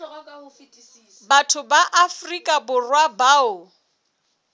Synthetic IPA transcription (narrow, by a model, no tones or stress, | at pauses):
batʰʊbaʔafrikʼabʊrwabaːʊ